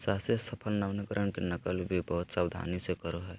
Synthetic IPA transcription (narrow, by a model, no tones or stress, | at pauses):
saːsjəsəpʰəlnaʋnəkəɾʔəɳkenəkəlbʱibəɦut̪sawd̪ʱa̰ːnisekəɾoɦɛː